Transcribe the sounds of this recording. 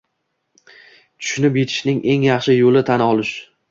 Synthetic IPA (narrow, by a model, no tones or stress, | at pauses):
t̪ʰʊ̥ʃʊnɪpjet̪ʰɪ̥ʃnɪŋʔe̞ŋjɑχʃɪjolɪt̪ʰanɒlˠɪʃ